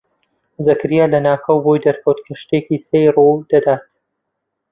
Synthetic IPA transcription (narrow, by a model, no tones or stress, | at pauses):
zɐkɾijalɐnaːkʰɐwbojd̪ɐɾkʰɐwt̪kʰɐʃt̪ekisejrud̪̥ɐd̪aːt̪